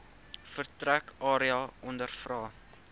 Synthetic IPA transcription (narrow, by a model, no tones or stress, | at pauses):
fərtrækɑːɾiɑʔɔndərfrɑː